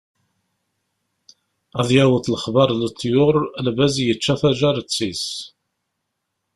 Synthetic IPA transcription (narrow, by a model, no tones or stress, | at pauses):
æðjæwəθləχbɑɾˤlət̪ʰˤːjʊɾˤlbæzjət͡ʃːæθæʒæɾət͡sːis